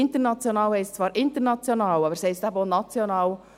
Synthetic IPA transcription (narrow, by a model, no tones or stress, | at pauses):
ɪnt̪ənɑt͡sjonɑːlhɛɪstt͡svɑːɾʔɪnt̪əɾnɑt͡sjonɑːlɑbəɾsɛɪstæbonɑt͡sjonɑːw